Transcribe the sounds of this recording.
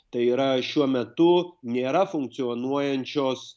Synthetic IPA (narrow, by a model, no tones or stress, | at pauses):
t̪ɐɪiːɾɐʃʲuɔmʲɛt̪ʊnʲeːɾɐfʊŋk̚t̪sʲɪoːnuɔjɛnʲt͡ʃʲoːs